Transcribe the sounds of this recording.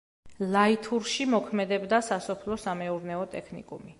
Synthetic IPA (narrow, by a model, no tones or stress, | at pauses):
lait̪ʰuɾʃimɔkʰmɛd̪ɛbd̪asasɔpʰlɔsamɛuɾnɛɔt̪ʼɛkʰnḭkʼṵmi